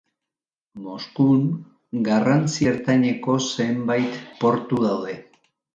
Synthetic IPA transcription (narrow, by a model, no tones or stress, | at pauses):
mo̞skuŋ | ɡarant͡sie̞ɾt̪aɲe̞ko̞se̞mbajt̪po̞ɾt̪uðawðe̞